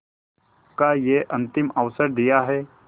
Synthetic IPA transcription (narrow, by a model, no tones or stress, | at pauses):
kajeʔɐ̃nt̪ɪməʋsəɾd̪ijaɦɛː